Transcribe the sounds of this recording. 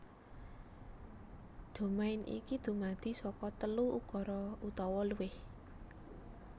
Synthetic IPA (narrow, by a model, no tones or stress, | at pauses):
d̪̥o̤maɪnʔḭkid̪̥ṳmad̪̥i̤sɔkɔt̪əluukɔɾɔut̪ɔwɔluwɪh